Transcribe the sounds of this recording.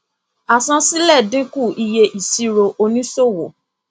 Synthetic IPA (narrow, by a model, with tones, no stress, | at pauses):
a˨sã˧˦si˦lɛ˦˨dĩ˦ku˦˨i˧je˧ʔi˨si˧ɾo˧ʔo˧nĩ˦so˦˨wo˨